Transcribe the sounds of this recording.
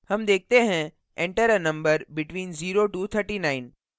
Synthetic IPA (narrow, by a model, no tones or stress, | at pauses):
hɐmd̪eːk̚t̪eɦɛ̃ | ɛ̃ɳʈəɾənɐ̃mbəɾbɪʈʋĩːnziːɾoʈuːt̪ʰəɾʈiːnaːɪn